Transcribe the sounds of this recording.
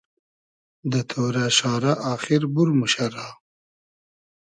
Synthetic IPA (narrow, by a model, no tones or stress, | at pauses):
d̪ət̪ʰoɾaʃɑːɾaʔɑːxiɾbuɾmuʃaɾɑː